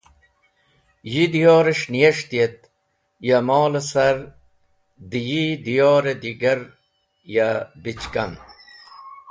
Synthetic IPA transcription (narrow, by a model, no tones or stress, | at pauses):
jid̪ijoːɾeʂnijɐʂt̪ijet̪̚ | jɐmɔːlɐsɐɾ | d̪ijid̪ijoːɾed̪iɡɐɾ | jabit͡ɕkɐn